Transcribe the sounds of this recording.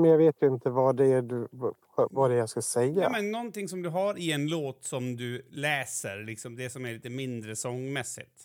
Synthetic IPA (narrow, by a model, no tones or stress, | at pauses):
mɛnjɑːɡveːt̪jɵɪnt̪əvaɖɛːd | vaɖɛjɑskasɛjːamɛnːɔnt̪ɪŋsɔmd̪ɵɦaɾɪɛnloːt̪sɔmd̪ɵlɛːsə̰ɾlɪksɔmd̪ɛsɔmæɭiːt̪əmɪnd̪ɾəsɔŋmɛsːɪ̰t̪